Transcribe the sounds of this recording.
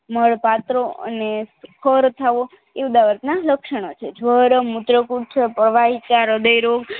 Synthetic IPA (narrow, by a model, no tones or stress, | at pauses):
məɭpat̪ɾoə̰neskʰəɾt̪ʰaʋo | eud̪aʋəɾt̪naləkʃəɳ̃ot͡ʃʰed͡ʒʱʋəɾəmut̪ɾəkuʈ̚t͡ʃʰepəɾʋaɦit͡ʃaɾəd̪əjɾoɡ